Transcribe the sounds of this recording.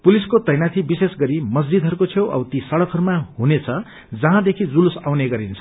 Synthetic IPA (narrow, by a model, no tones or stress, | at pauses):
puliskot̪ʌjnat̪ʰibisesɡʌɾimʌs̬d͡zid̪ʱʌɾukot͡sʰjowʔʌ̰bt̪isʌɽʌkʰʌɾumaɦunet͡sʰʌ | d͡zʌɦãd̪ekʰid͡zulusawneɡʌɾinet͡sʰʌ